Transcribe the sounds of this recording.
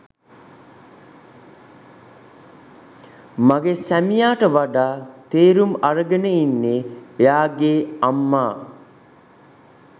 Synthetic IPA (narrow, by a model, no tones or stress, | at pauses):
maɡesæmijaːʈəʋaɖaːt̪eːɾumaɾəɡənəinːeʋejaːɡeːamːaː